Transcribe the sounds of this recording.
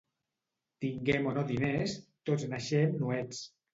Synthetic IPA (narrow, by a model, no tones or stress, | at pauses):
t̪iŋɡemonoðinest̪oznaʃemnuɛt͡s